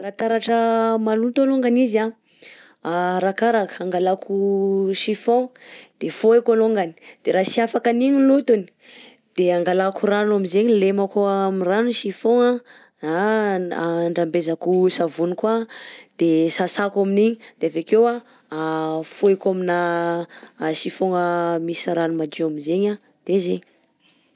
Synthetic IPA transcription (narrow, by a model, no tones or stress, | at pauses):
rat̪aɾaʈ͡ʂəmalut̪oloŋɡaniza | aɾakaɾakə̥aŋɡalakʰuʃifõd̪̥efoekaloŋɡani̥d̪̥eɾasiafakaniɲilut̪uni̥ | d̪̥eaŋɡalakuranamizeɲlemakoamiranuʃifõŋa | aaɳɖ͡ʐambezakusavunikad̪̥esasakaminiɲid̪̥eavekewa | afoekamina | ʃifoŋəmisaɾanumad͡ʒeaminzeɲa | d̪̥ezeɲi̥